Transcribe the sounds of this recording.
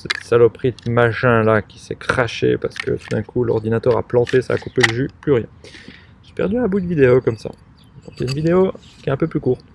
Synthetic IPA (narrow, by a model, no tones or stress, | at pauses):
sɛt̪salɔpχit̪maʃɛ̃lakʲi̥sɛ̰kχaʃḛpaʁsə̥kə̰t̪ud̪ɛ̃kulɔ̰ʁd̪inat̪œʁa̰plɑ̃t̪esa̰ːkupeləʒyplyʁjɛ̰̃ | ʒəsi̥pɛ̰ʁd̪yɛ̃bud̪əvid̪eokɔmsa̰ | d̪ɔ̰̃kaynvid̪eokʲiɛɛ̃pøplykuːʁt̪